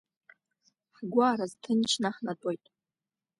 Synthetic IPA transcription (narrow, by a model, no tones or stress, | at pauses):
ħɡʷaːɾaztʰɨnt͡ʃʰnaħnatʷʼojtʼ